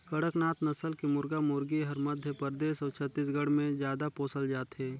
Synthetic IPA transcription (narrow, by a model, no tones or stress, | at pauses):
kɐɽəknaːt̪nɐsəlkimʊɾɡamoːɾɡiɦɐɾmɐd̪ʱjəpəɾd̪eːʃɔːɾt͡ʃʰət̪ːiːs̬ɡəɽmẽzjaːd̪apoːsəld͡ʒaːt̪ɦɛː